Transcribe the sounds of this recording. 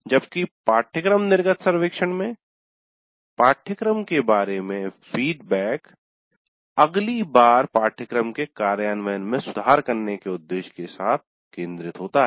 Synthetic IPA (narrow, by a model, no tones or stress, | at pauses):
d͡ʒɐbkipaːʈʰjəkɾəmnɪɾɡət̪sɐɾʋeːkʃəɽ̃mẽ | paːʈʰjəkɾəmkebaːɾemẽfiːɖbɛːk | ɐɡlibaːɾpaːʈʰjəkɾəmkekaːɾjaːnʋəɦənmẽsʊd̪ʱaːɾkɐɾnekeʊd̪ːeːʃkesaːt̪̚ʰ | kẽːnd̪ɾɪt̪ɦoːt̪aɦɛː